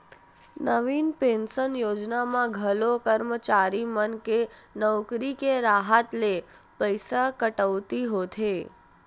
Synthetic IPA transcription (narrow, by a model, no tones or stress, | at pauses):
nəʋinpẽnsənjod͡ʒnamãɡʱəlokəɾmət͡ʃaɾimənkenəwkɾikeɾaɦət̪le | pəjsakəʈəʋt̪iɦot̪ʰe